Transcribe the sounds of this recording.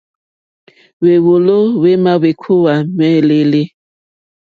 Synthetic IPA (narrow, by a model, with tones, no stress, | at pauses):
we˨wo˨lo˦we˦ma˦we˨kʰo˦wa˨mɛ˦˨le˦le˦